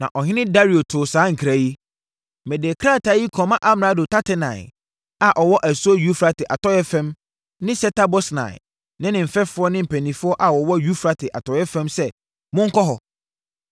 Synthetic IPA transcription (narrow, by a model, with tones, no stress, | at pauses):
nã̰˨ʔɔ˨ɦɪ̃˦nɪ̃˦da˦ɾi˨o˨tʰʊ˨saː˨˦ŋ̩˨kʰɾa˨ji˦˨ | mɛ˨dɛ˨kʰɾa˦˨tʰa˨˦ji˦kʰɔ̃˨˦mã˦ʔa˦m˨nã˦dʊ˨tʰa˦tʰɪ˦nã̰˨ɪ̰˨ | a˨ʔɔ˨wɔ˦ʔæ˨su˦ɔ˦ju˦fɾa˨tɪ˨ʔa˨tʰɔ˦jɛ˦fɛ̃˦m | nɪ̃˦sɛ˦tʰa˦bɔ˦snã̰˨ɪ̰˨ | nɪ̃˦nɪ̃˨m̩˨fɛ˦fʊ˦ɔ˦nɪ̃˦m̩˨pʰɛ˨nĩ˨fʊ˦ɔ˦ʔa˨wɔ˨wɔ˦ju˦fɾa˦tʰɪ˨ʔa˨tʰɔ˨jɛ˦fɛ̃˦msɛ˦ | mʊ̃˦ŋ̩˦kʰɔ˦ɦɔ˨